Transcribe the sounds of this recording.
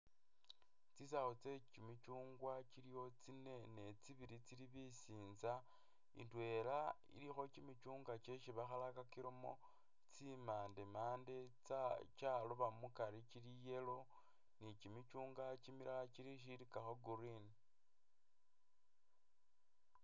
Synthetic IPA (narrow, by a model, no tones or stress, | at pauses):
t͡sis̬axot͡se̞t͡ʃimit͡ʃuːŋɡwat͡ʃilijo̞t͡sine̞ne̞t͡siβiɾit͡siliβisiːnza | ḭntwe̞la | ḭlixo̞t͡ʃimit͡ʃuːŋɡat͡ʃe̞ʃiβaxalakakiɾomo̞̰ | t͡simaːndemaːndet͡sat͡ʃaluβamukaɾit͡ʃilije̞lo̞ | nit͡ʃimit͡ʃuːŋɡat͡ʃimiɾʔat͡ʃiliʃ̬iɾikaxoɡuɾin